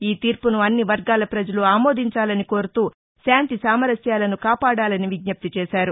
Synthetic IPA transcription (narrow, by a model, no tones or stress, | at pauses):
iːt̪iːɾpunuɐnːiʋɐɾɡaːlɐpɾɐd͡ʒɐluaːmo̞ːd̪ʱiɲt͡ʃaːlɐniko̞ːɾut̪uː | saːnt̪isaːmɐɾɐsjaːlɐnukaːpaːɽaːlɐniʋiɡ̚ɲɐp̚t̪it͡ʃɛːʃaːɾu